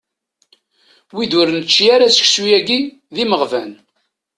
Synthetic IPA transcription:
wid̪ʊɾnət͡ʃːjaɾasə̥çsujæɡi | ðiməʁvæn

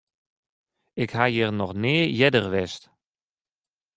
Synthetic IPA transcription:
ɪkhajərnɔxneːjɛdərʋɛst

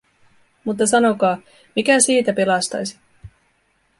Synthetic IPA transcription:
mut̪̬ːɑsɑno̞kɑː | mikæsiːt̪æpelɑst̪ɑ̰jsi̥

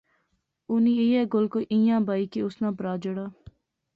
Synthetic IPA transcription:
ʊnĩːejɛːɡolkoʔɪ̃jãːbaːiːkeʊsnãːpɾaːd͡ʒəɽaː

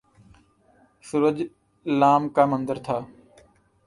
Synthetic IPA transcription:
sʊɾəd͡ʒ | laːmkaːmənd̪əɾt̪ʰaː

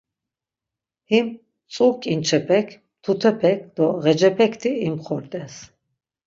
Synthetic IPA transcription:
him | t͡sʼukʼint͡ʃʰɛpʰɛkʰ | t̪ʰut̪ʰɛpʰɛk̚ʰd̪̥ɔʁɛd͡ʒɛpʰɛkʰt̪ʰiimχɔɾt̪ʼɛs

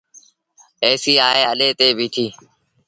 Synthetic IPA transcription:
eːsiːaːɦeːəleːt̪eːʋʱiːʈ̪ʰiː

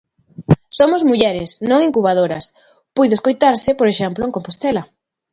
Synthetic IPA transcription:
somozmuʎɛɾɪsnõŋiŋkuβ̞aðoɾɐs | pujðʊeskojt̪aɾsɪpoɾeʃɛmplʊeŋkompost̪ɛlɐ

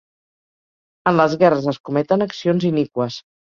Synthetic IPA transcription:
ənləzɣɛrəzəskumɛt̪ənəksionzinikwəs

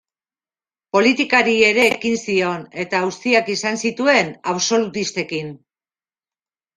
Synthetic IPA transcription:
po̞lit̪ikaɾie̞ɾe̞ːkinsio̞ne̞t̪aust̪iakisansit̪ue̞naβso̞lut̪ist̪e̞kin

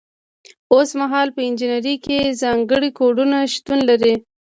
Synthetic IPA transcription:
osmaɦɑlpəɪnd͡ʒinaɾikezɑŋɡəɽikoɖunaʃt̪unlaɾi

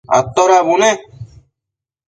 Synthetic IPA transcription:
ɐ̰t̪ːoɾaːbune

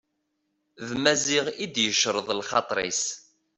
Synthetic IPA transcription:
ðmæziʁid̪jəʃɾˤəðˤlχɑt̪ˤɾˤḭs

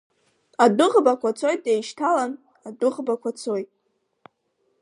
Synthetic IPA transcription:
adʊʁbakʷʰat͡sʰo̞jt̚ʼejʃtʰalan | adʊʁbakʷat͡sʰojtʼ

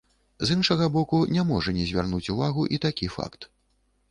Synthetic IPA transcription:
zɨnʂɐɣɐbɔkunʲamɔʐɐnʲɛzʲvʲa̰rnut͡sʲuvaɣuʔit̪akʲifa̰kt̪

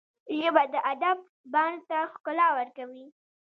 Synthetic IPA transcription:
ʒəbad̪əʔad̪ab̚ | bɑnd̪t̪axkʊlɑwəɾkawi

